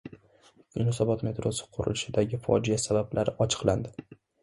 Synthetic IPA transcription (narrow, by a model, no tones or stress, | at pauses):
junɒsɒbɒt̪me̞t̪ɾosɪ̥qʰʊɾʊ̰lɪʃɪd̪aɡʲɪfɒ̰d͡ʒijasabablʔaɾɪɒt͡ʃʰɨ̥qland̪ɪ